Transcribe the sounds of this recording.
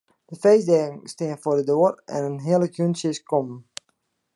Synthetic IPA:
d̥əfejsdɛːŋ̩stɪənfordədoːərɛ̰nənɦiəlˠəkjynsɪskɔm

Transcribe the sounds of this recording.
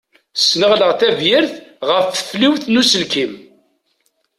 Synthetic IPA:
snəʁləʁθævjəɾθʁəfθə̥fliwθnusəlkim

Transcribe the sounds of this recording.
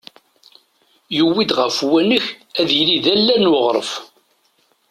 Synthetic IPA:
jəwːid̪ʁəfwænəçæðjliðælːænʊʁɾˤəf

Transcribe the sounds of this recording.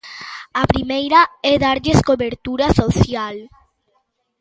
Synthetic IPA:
apɾimejɾaɛðaɾʎeskoβeɾt̪uɾasoθjal

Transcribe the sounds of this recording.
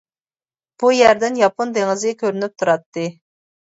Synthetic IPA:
b̥ujæɾd̪ɪnjɑpond̪eŋɪzkʲʰøɾynyp̚t̪ʰuɾɑt̪ːɨ

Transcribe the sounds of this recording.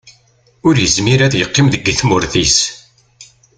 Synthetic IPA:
ʊɾjəzmiɾæθjəqːɪmðəɡːθmʊɾθis

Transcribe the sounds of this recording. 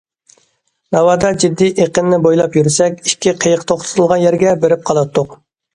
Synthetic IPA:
nɑwɑːd̪ɑd͡ʒid̪ːiʔeqənnɪbojlˠɑpjyɾsɛkʲi̥kʲʰːiqʰəjəqt̪ʰoχt̪ʰt̪ʰɨlˠʁɑnjɛɾɡʲɛbeɾɪp̚qʰɑlˠɑt̪ʰːʊq

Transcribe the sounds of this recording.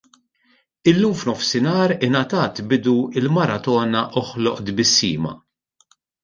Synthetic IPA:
ɪlːuːmfnɔfsɪnɐːɾɪnɐt̪ɐːt̪bɪd̪uɪlmɐɾɐt̪ɔːnɐʔɔħlɔʔd̪bɪsːḭːmɐ̰

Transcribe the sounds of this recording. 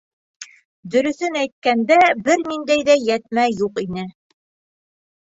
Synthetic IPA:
d̪ɵ̆ɾɵ̆θɵnæjt̪̚kænd̪æbɘɾnind̪æjðæjæt̪̚mæjuqinɘ

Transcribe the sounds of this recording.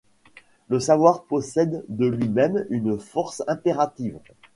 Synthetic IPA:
ləsavwaʁpɔsɛd̪ːəlɥimɛmynfɔʁsɛ̃peʁat̪iv

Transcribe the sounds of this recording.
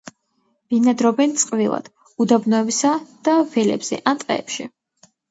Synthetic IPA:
b̥inad̪ɾɔbɛnt̪sʼqʼvilˠa̰d̪̥ | ud̪abnɔɛbisad̪̥avɛlɛ̰bz̥ɛ̰ʔant̪ʼɛ̰ːpʃi

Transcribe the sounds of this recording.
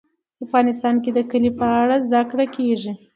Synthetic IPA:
afɣɑnɪst̪ɑnked̪əkəlipəaɽazd̪akɽakeʐi

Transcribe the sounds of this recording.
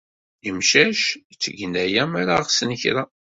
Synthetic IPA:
jəmʃæʃt͡sːəɡnæjæmaɾaʁsənçɾa

